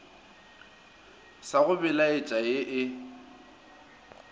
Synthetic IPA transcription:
saɣʊbɪlaɪt͡ʃʼaeʔɪ

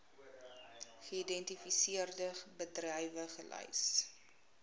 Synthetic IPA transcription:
χəidɛntifisiərdəχbədrɛjvəχəlʔœ̰js

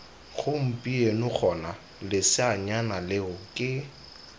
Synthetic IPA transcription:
ɣʊm̩pʼienʊk͡xʰɔna | lɪsɪaɲanalɪɣʊkʼɪ

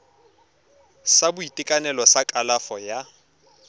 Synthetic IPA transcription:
sabʊitʼɪkʼanɛlɔsakʼalafɔja

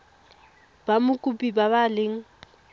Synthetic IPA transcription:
b̥amʊkʼupʼibabalɪŋ̩

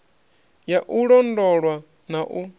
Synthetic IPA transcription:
jaʔuɺɔndɔɺwa | naʔu

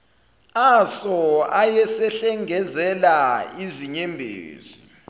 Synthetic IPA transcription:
asɔajɛsɛɬɛŋɛzɛlaiziɲɛmbʱḛːzi

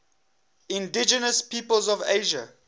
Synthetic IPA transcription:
ɪ̃ndɪd͡ʒənəspʰiːpəlzɔveɪʒə

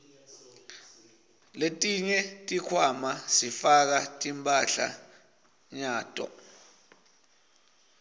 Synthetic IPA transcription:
letʼiɲɛtʼikʰwamasifak̬atʼimpʼaɬa̰ | ɲaːtʼɔ̰

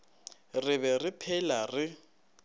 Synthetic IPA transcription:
rɪβɛrɪpʰɛlarɪ

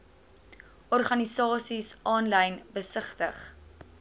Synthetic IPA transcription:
ʔɔrχɐnisɑːsisɑːnlɛjnbəsəχtəχ

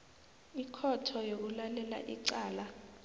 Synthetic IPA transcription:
ikʰɔtʰɔjok̬ulalɛla̰ʔiǀaːla

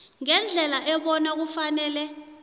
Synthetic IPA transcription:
ŋɛnd͡ɮʱɛlaʔɛɓɔnak̬ufanɛːlɛ

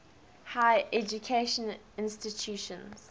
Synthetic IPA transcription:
haɪʔɛd͡ʒukʰeʃə̃n | ɪ̃nstitʰuːˑʃə̃nz̥

